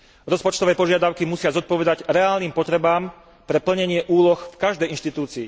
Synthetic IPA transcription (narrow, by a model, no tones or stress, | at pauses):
ɾɔspɔt͡ʃt̪ɔʋɛːpɔʒɪad̪aʊkimusɪazɔt̪̚pɔʋɛd̪aɟɾɛaːlniːmpɔt̪ɾɛbaːm | pɾɛpl̩ɲɛɲɪɛʔuːlɔxfkaʒd̪ɛjʔinʃt̪it̪uːt͡siː